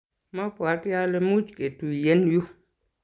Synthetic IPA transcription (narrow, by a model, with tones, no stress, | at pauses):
ma˦pwa˨kja˦le˨˧mu˦t͡ʃke˨tu˨je˦nju˦